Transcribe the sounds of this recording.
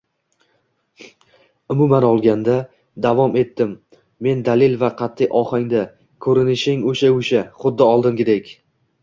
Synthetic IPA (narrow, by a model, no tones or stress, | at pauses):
ʊmʊmanɒlˠɡʲand̪a | d̪avɒme̞t̪ːɪmː | e̞nd̪alɪlvaqʰɑt̪ʰːɪjʔɒχɪŋd̪a | kʰɵɾɪnɪʃɪŋɵʃaʊʃaχʊd̪ːɪɒlˠd̪ɪmkʲɪd̪ekʲ